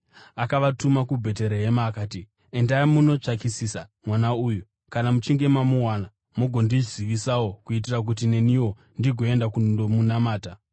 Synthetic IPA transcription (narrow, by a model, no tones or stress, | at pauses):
akaʋatumakubʱe̞t̬e̞ɾeɦemaːkaːti | endaimuno̞t͡ʂakisisamwanauːju | kanamut͡ʃiŋɡe̞mamuwana | moɡʱo̞ndiziʋisawokuit̬irak̬ut̬ine̞niwo̞ | ndiɡʱo̞e̞ndakudomunamaːta